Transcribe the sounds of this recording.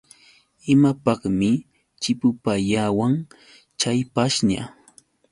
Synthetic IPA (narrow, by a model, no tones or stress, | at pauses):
ɪmapɑχmɪ | t͡ʃɪpʊpaʎawaŋ | t͡ʃajpaʃɲa̰